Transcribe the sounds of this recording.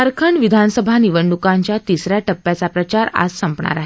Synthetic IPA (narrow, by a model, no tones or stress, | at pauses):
aɾkʰəɳʋid̪ʱansəbʱaniʋəɳːukaɲt͡ɕjat̪isɾjaʈəpːjat͡sapɾət͡ɕaɾa̰d͡zsəmpɳa̰ɾaɦe